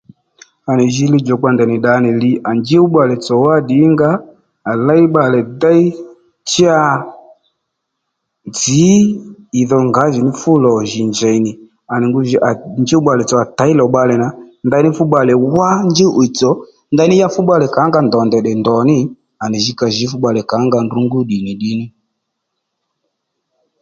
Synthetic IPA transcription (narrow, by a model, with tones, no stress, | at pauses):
a˨nɛ˨ʒi˦li˦d͡ʒɔ˨k͡pa˧ndɛ˨ni˨ɗa˨˦ni˨li˦a˨nd͡ʒi˦u˦ɓa˨lɛ˨t͡sɔ˨wa˦ɗi˨˦ŋɡaː˦˨ | la˦i˦ɓa˨lɛ˨da˦i˦ | t͡ʃi˦a˦ | d͡ziː˨˦˨ | ðɔ˧ŋɡa˨˦ʒi˨ni˦fu˦lɔ˨ʒi˨nd͡ʒɛ˨i˨ni˨ | a˨ni˨ŋɡu˦ʒi˨˦ʔa˨nd͡ʒi˦u˦ɓa˨lɛ˨t͡sɔ˨a˨ta˨˦i˦lɔ˨ɓa˧lɛ˨na˨nda˧˦ni˦fu˦ɓa˨lɛ˨wa˦nd͡ʒɪ˦ʔu˨i˨t͡sɔ˨˦ | nda˧˦nɪ˦ja˦fu˦ɓa˦lɛ˨ka˨˦ŋɡa˨ndɔ˨ndɛ˨ɗɛ˨ndɔ˨nɪ˦ | a˨ni˨ʒi˨˦ka˨ʒi˨˦fu˦ɓa˨lɛ˨ka˨˦ŋɡa˧˨ndu˦ŋɡu˦ɗi˨ni˨ɗi˨˦ni˦